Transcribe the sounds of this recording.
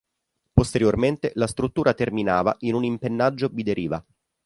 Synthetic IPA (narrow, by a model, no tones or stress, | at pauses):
post̪eɾjorment̪elast̪ɾut̪ːuːɾʔat̪erminaːva̰ʔinunimpenːad͡ʒːobid̪eɾiːva